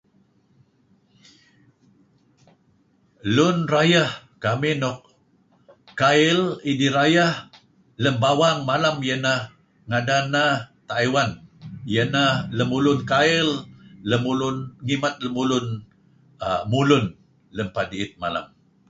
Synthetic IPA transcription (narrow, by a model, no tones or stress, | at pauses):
lʊnrajahkaminɔk̚ | kːaɪlidiɾajah | ləmbawaŋmalamjənah | ŋadanaht̪aiwanjənahləmulʊnkaɪlːəmulʊnŋimat̪̚ləmulʊn | amulʊn | ləmpadiɪt̪̚ma̰la̰m